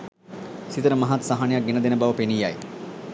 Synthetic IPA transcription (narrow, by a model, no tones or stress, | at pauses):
sit̪əɾəmaɦat̪saɦanejak̚ɡenəd̪enəbaʋəpenijaj